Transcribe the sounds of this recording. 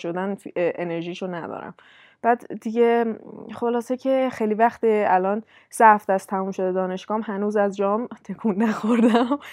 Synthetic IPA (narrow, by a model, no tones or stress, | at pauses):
ʃod̪ænʔeneɾʒiːʃonæd̪ɒ̰ːɾæ̰m | b̥æd̪d̪iɟeχo̞lɒːsecʰe̞xejlivæxt̪eælɒːn | sæfd̪æst̪ʰæmuːmʃo̞d̪ed̪ɒːne̞ʃɡ̥ɒːmɦænuːzæzd͡ʒɒːmt̪ʰe̞kʰuːnːæxoɾd̪æm